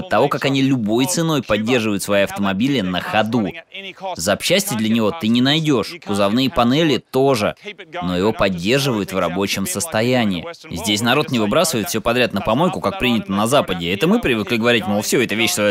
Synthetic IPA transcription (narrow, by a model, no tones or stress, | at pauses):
t̪ːɐvo̞kakɐnʲilʲʊbo̞jt̪sɨno̞jpɐdʲːe̞rʐɨvəjʊt̪svɐjiɐft̪əmɐbʲilʲɪnəxɐd̪u | zəɐpɕːæsʲtʲɪəd̪lʲɐnʲɪvo̞t̪ɨnʲɪnɐjdʲo̞ʂkʊzɐvnɨjəpɐnɛlʲɪt̪o̞ʐɨ̰no̞jɪvo̞pɐdʲːe̞rʐɨvəjʊt̪vrɐbo̞t͡ɕɪmsəst̪ɐjænʲɪɪ̰zʲdʲesʲnɐɾo̞t̪nʲɪvɨbɾasəvəɪt̪fsʲopɐd̪ɾʲat̪nəpɐmo̞jkʊkak̚pɾʲinʲɪt̪ənɐzapədʲɪɛt̪əmɨpɾʲɪvɨklʲɪɡəvɐɾʲitʲmofsʲoɛt̪əvʲeɕsvɐ